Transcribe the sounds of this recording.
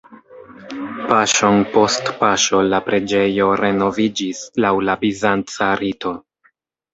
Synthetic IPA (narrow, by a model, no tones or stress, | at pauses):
paʃo̞npo̞stpaʃo̞lapɾe̞d͡ʒe̞jo̞ɾe̞no̞vid͡ʒislawlabizant͡saɾito̞